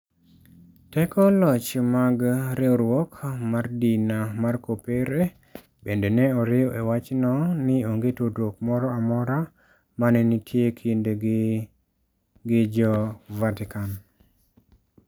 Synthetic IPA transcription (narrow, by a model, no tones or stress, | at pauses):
tɛkɔlɔt͡ʃmaɡɾɛoɾwɔkmardinamarkopeɾe | bendenɛɔɾɪɔʔewat͡ʃnɔnɪoŋɡetodok̚mɔɾɔamɔɾa | manɛnitʰjekʰindeɡ | ɡɪd͡ʒɔvatɪkan